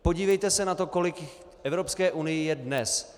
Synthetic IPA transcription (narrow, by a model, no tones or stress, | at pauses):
po̞ɟiːvɛjt̪ɛsɛnat̪o̞ko̞lɪk | ɛvɾo̞pskɛːʔunɪjɪjɛdnɛs